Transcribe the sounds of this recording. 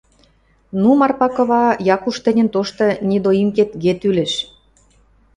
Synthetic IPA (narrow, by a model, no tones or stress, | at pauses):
numɑrpɑkɤ̆βɑjɑkuʃt̪ɘ̆nʲə̆nt̪oʃt̪ɤ̆nʲid̪oimket̪ɡet̪yleʃ